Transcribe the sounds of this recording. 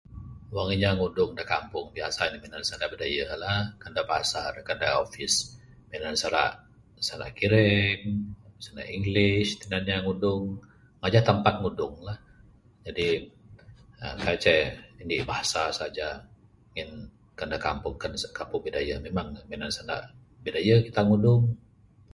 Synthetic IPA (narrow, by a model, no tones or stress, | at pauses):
waŋiɲaŋudʊŋdakampʊŋbiasainiminansandaʔbədajalahkəndabaasarkandaofɪs | menansaɾa̰ʔ | saɾa̰ʔkiɾɛŋsana̰ʔiŋɡlɪʃt̪ənanɲaŋudʊŋ | ŋad͡ʒat̪əmpat̪̚ŋudʊŋlah | d͡ʒadi | ə̰kat͡ʃɛindibahasasad͡ʒa | ŋɛn | kəndakampʊŋkənskampʊŋbidajamemaŋmenansanda̰ʔ | bidajakit̪aŋudʊŋ